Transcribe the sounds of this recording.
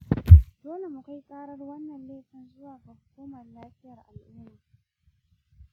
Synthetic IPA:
d̥oː˦le˨mu˨ka˦jkʼaː˦ɽɐ˦rwɐ˦nːɐ˨nleː˦tɐ˨nzʊ˦waː˨kɐ˨hkʷoː˦mɐ˨rːaː˦ɸɪ˦jɐ˨rʔa˨lʔʊ˦m˦niː˨

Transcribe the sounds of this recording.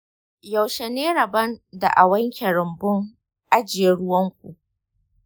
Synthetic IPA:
jɐ˨wʃɛ˨neː˦ɽɐ˨bɐ˦nda̰˨ʔa˨wɐ˦ŋkʲe˨ɽʊ˨mbʊ˦ŋ | ʔa˦d͡ʒɪ˨jɛ˦ɽʊ˦wɐ˦ŋkʷṵ˨ʔ

